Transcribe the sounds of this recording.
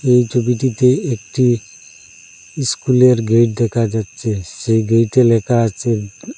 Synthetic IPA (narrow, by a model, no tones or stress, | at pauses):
ejt͡ʃobiʈit̪eek̚ʈi | iskuleɾɡeʈd̪ɛkʰad͡ʒat̪ːt͡ʃʰeseɡejʈelɛkat͡ʃʰe